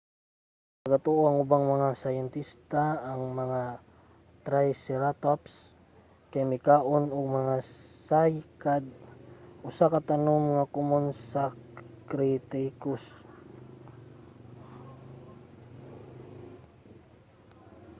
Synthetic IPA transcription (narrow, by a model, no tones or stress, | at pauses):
pɐɡat̪oʔoaŋʊbaŋmɐŋasajɛnt̪ist̪aːŋmɐŋa | t̪ɾajsɛɾat̪ops | kɛmikaʔonɔɡ̚mɐŋasajkad̪̚ | ʊsakat̪anomŋakumonsa | kɾit̪ikus